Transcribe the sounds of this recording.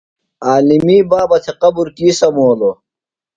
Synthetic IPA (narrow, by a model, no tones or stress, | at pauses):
aːlimiːbaːbɐt̪ʰeqɐbuɾkiːsɐmoːlo